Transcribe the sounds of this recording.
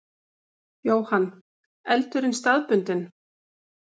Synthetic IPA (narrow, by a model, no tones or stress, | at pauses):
joːwhanː | ɛlt̪ʏɾɪnst̪aðpʏnt̪ɪn